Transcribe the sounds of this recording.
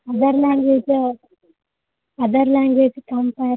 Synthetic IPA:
ɐd̪ɐɾlaːŋɡʋeːd͡ʒ | ɐd̪ɐɾlaːŋɡʋeːd͡ʒkɐmpaj

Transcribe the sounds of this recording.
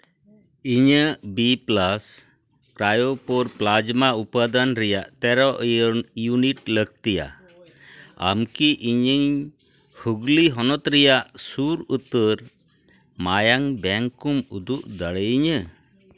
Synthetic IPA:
iɲəbiplas | kɾajopɔɾplad͡ʒmaupad̪anɾɛjaʔt̪ɛɾɔʔjuniʈləɡ̚t̪ija̰ | a̰mkiʔiɲəɲ | huɡliɦɔnɔt̪ɾɛjaʔsuɾut̪əɾ | majaŋbɛŋkumud̪uʔd̪əɽəjɲə

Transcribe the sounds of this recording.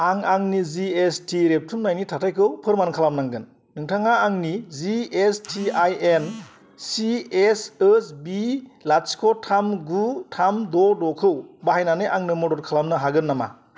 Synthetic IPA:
aŋaŋniziestʰiɾep̚tʰumnajnitʰatʰajkʰɯwpʰɯɾmankʰalamnaŋɡɯnː | ɯŋtʰaŋaːŋniziestʰiajen | siesəsbilat͡ʃkʰɔtʰamɡutʰamdɔdɔkʰɯwbaɦajnaneʔaŋnɯmɔdɔɾkʰalamnɯɦaɡɯnːama̰

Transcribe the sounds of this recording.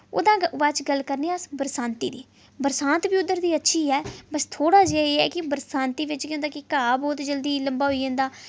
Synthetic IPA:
o̰ːd̪ãːʋaːt͡ʃɡəlkəɾneːəsbəɾsãːnt̪ḭːd̪ḭː | bəɾsãːnt̪biːʊd̪ːəɾd̪iːətːʃʰiːɛːbəst̪ʰoːɽaːd͡ʒeːeːɛːkɪbəɾsãːnt̪iːʋɪt͡ʃkẽːnd̪aːkɪkaːbɔːt̪d͡ʒəld̪iːləmbaːɦoiːãːnd̪aː

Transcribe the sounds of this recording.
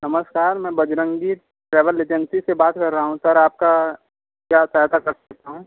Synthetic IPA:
nɐməskaːɾmɛ̃ːbɐd͡ʒɾə̃ŋɡi | ʈɾɛːʋəleːd͡ʒənsisebaːt̪kɐɾːɐɦaɦũsɐɾaːp̚ka | kjaːsat̪akɐɾsɐk̚t̪aɦũː

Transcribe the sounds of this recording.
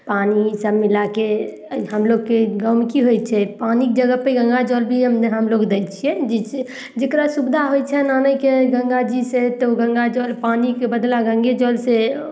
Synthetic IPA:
panisəbmilake | ɦəmloɡkeɡəmkiɦojt͡ʃʰɛpanikd͡ʒəɡəpeɡə̃ŋɡad͡ʒɔlbʱiɦəmɦəmloɡd̪ekt͡ʃʰijɛd͡ʒi | d͡ʒekɾasubd̪ʱaɦojt͡ʃʰɛnanəjkeɡə̃ŋɡad͡ʒiset̪oɡə̃ŋɡad͡ʒɔlpanikebəd̪laɡə̃ŋɡed͡ʒɔlse

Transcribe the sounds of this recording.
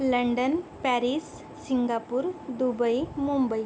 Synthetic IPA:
ləɳɖənpɛɾisː | iŋɡapuːɾd̪ubəjmumbəj

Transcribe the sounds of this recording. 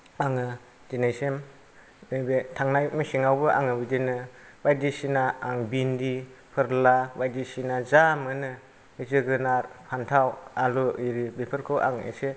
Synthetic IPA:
aŋɯ | d͡ʒinajsem | ibetʰaŋnajmisiŋawbɯʔa̰ŋɯbidinɯbajdisinaaŋbindi | pʰɯɾlabajdisinazamɯnɯ | bizɯɡɯnaɾpʰantʰawaluiɾibepʰɯɾkʰɯwʔa̰ŋḛse

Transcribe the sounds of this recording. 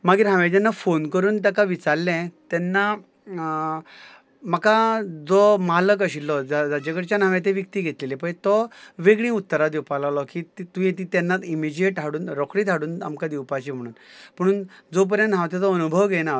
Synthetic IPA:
maɡiːɾɦãʋẽt̪anːafonkəɾuːnt̪akaʋit͡saɾlɛ̃t̪ɛnːa | makad͡zɔmalək̬əɕilːɔd͡zad͡zad͡ʑekəɾt͡ɕanãʋẽt̪ẽʋjək̚t̪iɡʱet̪lelepət̪ɔʋeɡɭĩːut̪ːəɾad̪iwpalalɔkiːt̪t̪ujet̪it̪ɛnːat̪imid͡ʑieʈʰaɽuːnɾɔkɽiːt̪ʰaɽuːna̰mkad̪iwpat͡ɕim̤əɽ̃uːnm̤əɽ̃uːnd͡zɔp̬əɾjə̃nɦãwt̪ɛd͡zɔənubʱəʋɡena

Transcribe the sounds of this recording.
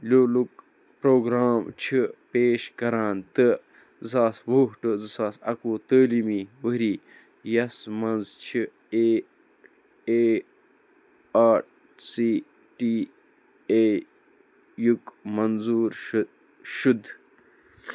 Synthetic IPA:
loːluk | pɾoːɡɾaːmt͡ʃʰipeːʃkɐɾãːnt̪ɨ | zaːswoːhʈɨzɨsaːsɐ̰kuːt̪əːlimiwəɾi | jɐsmɐnzt͡ʃt͡ɕʰi | e | e | aː | siː | ʈi | eː | jukmɐnzuːɾ | ʃud̪

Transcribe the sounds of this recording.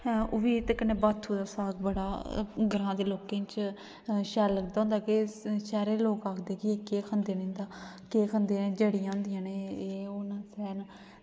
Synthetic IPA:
ʊʋiːt̪ekəneːbaːt̪ʰːuːd̪aːsaːkbəɽaːɡəɾãːd̪eːloːkeːt͡ʃ | ʃɛːləɡd̪aːɦʊ̃ːnd̪aːkɪʃɛːɾeːloːkaːkʰd̪eːkɪeːkeːkʰənd̪eːnɪ̃ːnd̪aː | keːkʰənd̪eːneːd͡ʒəɽijãːɦʊ̃nd̪ɪjãːneːeːʊnasɛːn

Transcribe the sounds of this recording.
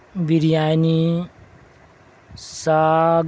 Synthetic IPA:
biɾijani | saɡ

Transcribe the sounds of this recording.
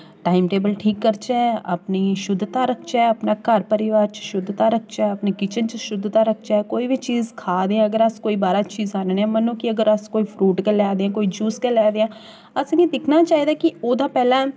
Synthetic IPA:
ʈaːɪmʈeːbəlʈʰiːkːəɾt͡ʃɛə̰pniʃʊd̪ʱːt̪aːɾəkʰt͡ʃɛɐpnaːkəɾpəɾɪʋaːɾt͡ʃə̥ʃʊd̪ʱːt̪aːɾək̚ʰt͡ʃɛɐpnikɪt͡ʃənt͡ʃəʃʊd̪ʱːt̪aɾəkʰt͡ʃaɛkoːibʱit͡ʃiːzkʰaːd̪ẽɛ̃ɐɡəɾəskoːibaːɾat͡ʃiːzaːnenɛ̃mənõːkiəɡəɾəskoːifʰɾuːʈkelɛːd̪eãːkoːid͡ʒuːskelɛːd̪eãː | əsə̃ɡid̪ɪkʰnaːt͡ʃaːiːd̪akioːd̪ʱãːpɛːlãː

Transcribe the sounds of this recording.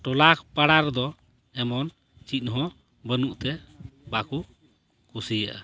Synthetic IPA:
ʈɔlakpaɽaɾd̪ɔ | ɛmɔn | t͡ʃit̪̚ˀɦɔ̃ | bənuʔt̪ɛbaku | kusijaʔa̰

